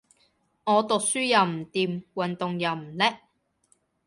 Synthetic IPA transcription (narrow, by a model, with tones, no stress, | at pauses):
ŋɔː˨˧t̪ʊ˨k̚syː˥jɐ˨˩wm̩˨˩t̪iː˨˩mwɐ˨nt̪ʊ˨ŋjɐ˨˧wm̩˨˩lɛː˥